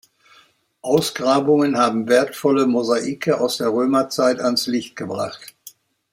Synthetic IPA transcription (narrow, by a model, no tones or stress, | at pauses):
ʔaʊsɡ̥ʁaːbʊŋənhaːbm̩veːɐtfɔləmozaʔiːkʰəʔaʊsd̥eːɐʁøːmɐt͡saɪtanslɪçt̚ɡ̥əbʁa̰χt